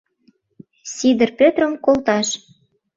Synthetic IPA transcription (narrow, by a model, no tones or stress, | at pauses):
sʲid̪ə̆rpʲøt̪rəmkolt̪ɑʃ